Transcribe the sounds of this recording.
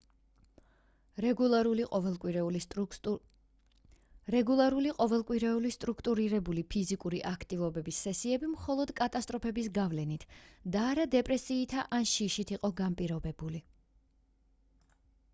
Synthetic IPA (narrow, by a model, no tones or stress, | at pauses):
ɛɾliqʼɔvɛlˠkʼwiɾɛ | ɾɛɡulˠaɾuliqʼɔvɛlˠkʼwiɾɛulist̪ʼɾukʰt̪ʼuɾiɾɛbulipʰizikʼuɾiʔakʰt̪ʼivɔbɛbisːɛsiɛbimχɔlˠɔd̪kʼat̪ʼast̪ʼɾɔpʰɛbisɡavlɛnit̪ʰd̪aːɾad̪ɛpʼɾɛsiːt̪ʰaʔanʃiʃit̪ʰiqʼɔɡampʼiɾɔbɛbuli